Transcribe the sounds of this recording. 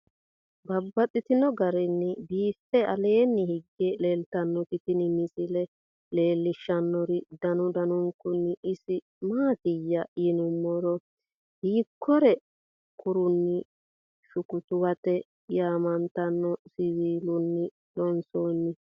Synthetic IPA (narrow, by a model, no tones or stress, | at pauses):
bɐbːɐtʼːɪt̪ɪnɔɡɐɾɛnːɪbiːfːɛɐleːnːɪhɪɡːeleːlt̪ɐnːɔkɪt̪ɪnɪmɪsɪlɛ | le̞ːlːɪʃːɐnːɔɾɪd̪ɐnʊd̪ɐnʊŋkʊnːɪɪsɪ | maːt̪ɪjːɐjɪnʊmːɔɾɔ | hiːkʰːɔɾɛ | kʊɾʊnːɪ | ʃʊkʊt̪ʊwɐt̪ɛ | jaːmɐnt̪ɐnːɔsɪβiːlʊnːɪ | ᶑɔnsoːnːɪ